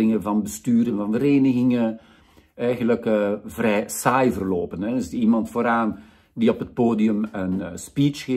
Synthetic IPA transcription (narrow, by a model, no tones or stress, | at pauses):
ɪŋəvɑnbəstyːɾənvɑnvəɾeːnəɣɪŋə | ɛjɣənləkəvrɛjsajvərloːpənɛɪsiːmɑntfoːɾaːn | diɔpət̚poːdiəmənspit͡ʃɣeː